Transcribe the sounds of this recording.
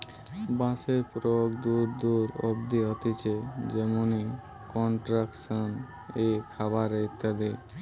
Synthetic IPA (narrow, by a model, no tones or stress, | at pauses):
bãsepɾɔɡd̪uɾd̪uɾɔ̰bd̪iɦɔt̪it͡ʃʰed͡ʒemoni | kɔɳʈɾaksɔn | ekʰabaɾeit̪ad̪e